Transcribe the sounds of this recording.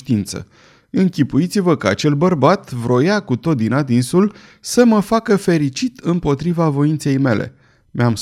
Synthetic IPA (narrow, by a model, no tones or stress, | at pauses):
ʃt̪int̪sə̰ | ɨŋkʲipujit̪sivəkaa̰t͡ʃe̞lbərbat̪vɾo̞jakut̪o̞t̪̚d̪inad̪insul | səməfakəfe̞ɾit͡ʃit̪ɨmpo̞t̪ɾivavo̞int̪se̞jme̞lʔḛ | meams